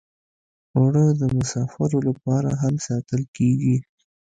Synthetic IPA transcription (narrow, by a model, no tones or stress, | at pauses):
ʊɽəd̪əmʊsɑfaɾolapɑɾa̰ɦamsɑt̪əlkeɡi